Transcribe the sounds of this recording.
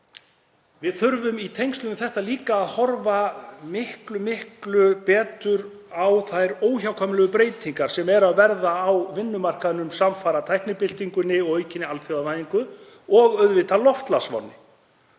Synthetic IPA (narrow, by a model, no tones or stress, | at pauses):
vɪðθʏɾvʏmit̪ʰejŋst̪ʏnɪθɛht̪aliːkaːðhɔɾvamɪhklʏmɪhklʏpɛːt̪ʏɾ | awθajɾoːwçawkʰɔmlɛɣʏpɾeːjt̪ʰiŋkaɾ̥sɛmɛɾaðvɛɾðaːwvɪnːʏmar̥kaðnʏmsamfaːɾat̪ʰajhknɪpɪl̥t̪iŋkʏnɪɔɣœɥcɪnɪalfjowanajiŋkʏ | ɔɣœɥðvɪt̪alɔft̪lasvɔ̰wnːɪ